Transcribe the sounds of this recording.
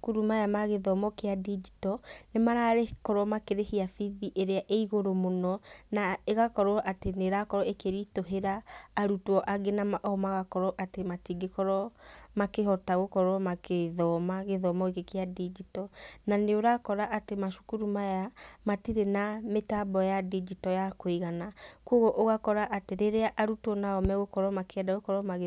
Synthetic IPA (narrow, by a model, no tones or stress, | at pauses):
kuɾumajamaɣeðɔmɔkeadid͡ʒitɔnemaɾaɾekɔɾɔmakeɾehiafiðiʔeɾeaʔeiɣoɾomonɔnaeɣakɔɾɔʔateneɾakɔɾɔekeɾitoɦeɾaːɾutwɔʔaɡenamaʔɔmaɣakɔɾɔʔatematiɡekɔɾɔmakehɔtaɣokɔɾɔmakeðɔmaɣeðɔmɔekekeadid͡ʒitɔnaneoɾakɔɾaʔatemaʃu̥kuɾumajamatiɾenametabɔjadid͡ʒitɔjakoiɣanakoɣoʔoɣakɔɾaʔateɾeɾeaʔaɾutwɔnaɔmɛɣokɔɾɔmakeɛdaɣokɔɾɔmaɣe